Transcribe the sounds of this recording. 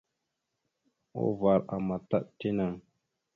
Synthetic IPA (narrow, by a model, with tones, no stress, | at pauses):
o̰˦va˨ɾa̰˨ma˨ta̰˦ʔti˦na˨ŋ